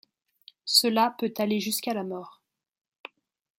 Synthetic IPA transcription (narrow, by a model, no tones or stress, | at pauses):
səlapøt̪aleʒyskalamɔːʁ